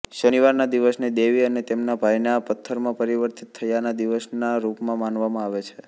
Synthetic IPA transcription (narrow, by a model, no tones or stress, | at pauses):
ʃəniʋaɾnad̪iʋəsned̪eʋiənet̪emnabʱajnapət̪ʰːəɾmãpəɾiʋəɾt̪it̪ʰːəjanad̪iʋəsnaɾupmãmanʋamãaʋet͡ʃʰe